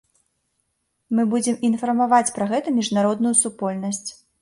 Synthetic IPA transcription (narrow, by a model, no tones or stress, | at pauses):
mɨbud͡zʲɛminfɐrmavat͡sʲpɾɐɣɛt̪ɐmʲiʐnaɾɔd̪nujusupɔlʲnɐsʲt͡sʲ